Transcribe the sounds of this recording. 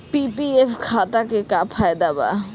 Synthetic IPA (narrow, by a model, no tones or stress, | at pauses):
pipiefʰkʰaʈ̪akekapʰajd̪aba̰